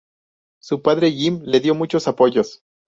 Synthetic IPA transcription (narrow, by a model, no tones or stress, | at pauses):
supaðɾe̞ʝimle̞ðjo̞mut͡ʃo̞sapo̞ʝo̞s